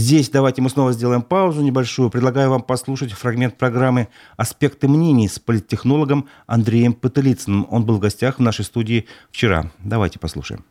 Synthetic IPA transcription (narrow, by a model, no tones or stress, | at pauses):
zʲdʲesʲd̪ɐvajtʲɪmɨsno̞vəzʲdʲelˠəjɪmpaʊzʊnʲɪbɐlʲʂujʊpɾʲɪd̪lˠɐɡajʊvampɐslˠuʂətʲfɾɐɡmʲe̞nt̪̚pɾɐɡɾamːɨ | ɐspʲe̞kt̪ɨmnʲenʲɪjspəlʲɪt̪̚ʲːɪxno̞lˠəɡəm | ɐ̰nd̪ɾʲejɪmpət̪ɨlʲit̪sɨnɨmo̞̰nbɨlˠvɡɐsʲtʲaxvnaʂəjst̪udʲɪːft͡ɕɪɾa̰d̪ɐvajtʲɪ̥pɐslˠṵʂə̰jɪ̰m